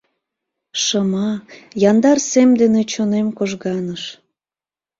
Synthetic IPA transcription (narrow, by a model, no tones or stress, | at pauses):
ʃəmɑjɑnd̪ɑrsemd̪enet͡ɕonemkoʒɣɑnəʃ